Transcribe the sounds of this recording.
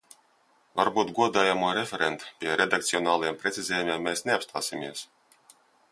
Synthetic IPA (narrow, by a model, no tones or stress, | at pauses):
vaɾbuːt̪ɡɔd̪aːjamuɔɾefʲeɾent̪pʲiɛɾed̪akt̪siɔnaːlˠajɛmpɾɛt̪sʲizʲeːjumʲiɛmːɛːsnʲeapst̪ʰaːsimʲiɛs